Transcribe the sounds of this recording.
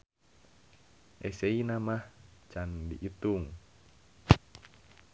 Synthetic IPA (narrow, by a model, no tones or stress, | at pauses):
ʔɛseinamaht͡ʃandḭʔit̪uŋ